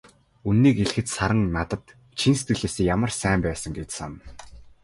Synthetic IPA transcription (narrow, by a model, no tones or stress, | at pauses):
unːiːkeɮ̆xɘ̆t̪saɾə̆ŋnat̪ə̆t̪ | t͡ɕʰinse̥t̪ɡɘ̆ɮeːseːjamə̆rsæːmpæːsə̆ŋɡet̪sa̰n